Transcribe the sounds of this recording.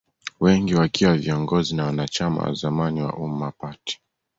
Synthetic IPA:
wɛŋɡiwakiwaviɔŋɡɔzinawanat͡ʃama̰wa̰zamaniwa̰ʔum̩ːapati̥

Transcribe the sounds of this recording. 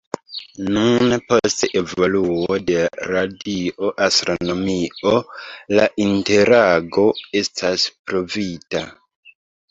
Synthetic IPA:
nunpo̞ste̞vo̞luo̞de̞ɾadio̞ʔastɾo̞no̞miolaʔinte̞ɾaɡo̞e̞stʰaspɾo̞vita

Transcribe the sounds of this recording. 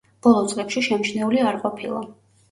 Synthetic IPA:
b̥ɔlˠɔt̪sʼqʼɛpʃiʃɛmt͡ʃʰnɛuliaɾqʼɔpʰḭlˠa̰

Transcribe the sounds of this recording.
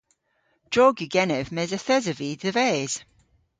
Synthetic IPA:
d̥ɔːɡjʉɡɛnɛvmɛzəθɛzəviðəvɛːz̥

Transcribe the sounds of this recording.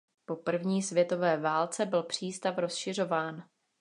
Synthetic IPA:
po̞pr̩vɲiːsvjɛt̪o̞vɛːvaːlt͡sɛbɪlpr̝̥iːst̪afɾo̞sʃɪr̝o̞vaːn

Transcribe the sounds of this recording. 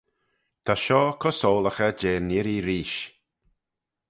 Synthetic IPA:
t̪ʰaʃɔːkʰɔsoːləxəd͡ʒeːnɪɾiɾiːʃ

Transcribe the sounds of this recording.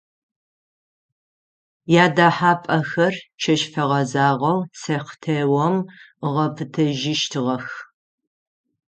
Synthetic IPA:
jaːdaːħaːpʼɐxɐrt͡ʃʰɐʃfɐʁɐzaːʁɐwsɐχtʰewɔməʁɐpʰɨtʰɐʒɪʃtʰɨʁɐx

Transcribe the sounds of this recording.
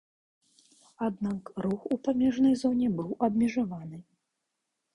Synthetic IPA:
ad̪nakɾuxupamʲɛʐnɐjzɔnʲɛbɨwʔɐbmʲɛʐavanɨ

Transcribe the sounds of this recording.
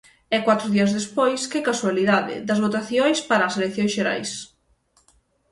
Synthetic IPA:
ɛkwat̪ɾʊðiɐzðespojskɪkaswaliðaðɪ̰d̪ɐzβot̪aθjojspaɾɐːselekθjõŋsʃeɾa̰js

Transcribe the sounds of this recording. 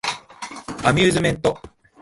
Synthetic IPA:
amʲjɨːzɨmẽ̞nt̪o

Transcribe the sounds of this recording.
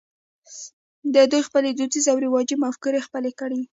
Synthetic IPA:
d̪əd̪ujxpəled̪ut͡sizawɾɪwɑd͡ʒimafkuɾexpəlekəɽi

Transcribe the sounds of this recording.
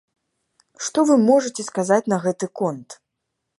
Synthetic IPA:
ʂt̪ɔvɨmɔʐɨt͡sʲɛskazat͡sʲnɐɣɛt̪ɨkɔnt̪

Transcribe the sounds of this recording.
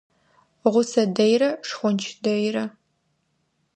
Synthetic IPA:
ʁʷʊsɐdɐjɾɐʂxʷʊnt͡ʃʰdɐjrɐ

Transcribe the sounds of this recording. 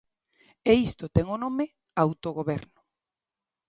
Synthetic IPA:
eist̪ot̪ɛŋonome | awt̪oɣoβɛɾnʊ

